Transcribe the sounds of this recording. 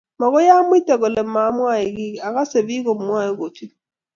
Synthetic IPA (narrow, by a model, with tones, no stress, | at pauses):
mɔ˨ɣɔ˦ja˦mwi˦tɛ˨ɣɔ˨lɛ˨ma˨˦mwa˦˨i˨ɣi˦˨a˨ɣa˦se˨βi˦ɣɔ˨mwa˦˨i˦ɣo˨ti˦